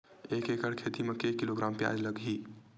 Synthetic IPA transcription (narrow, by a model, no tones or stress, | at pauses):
eːkekəɽkʰet̪imẽkeːkːiloɡɾaːmpja̰ːd͡ʒləɡɦi